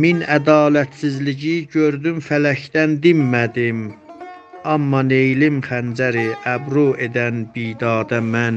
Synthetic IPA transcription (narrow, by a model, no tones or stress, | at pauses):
minæd̪ɑːlæt̪sizliɟiɟøɾd̪ymfælæcd̪ænd̪imːæd̪im | ɑmːɑne̞jlimχænd͡ʒæɾiʔæbɾue̞d̪ænbid̪ɑːd̪ɑmæn